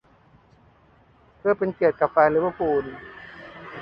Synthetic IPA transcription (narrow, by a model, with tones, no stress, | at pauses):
pʰɯ˥˩əpe˧nki˨˩ət̪̚ka˨˩p̚faː˧lɯː˦wa˦˥˩puː˧˩n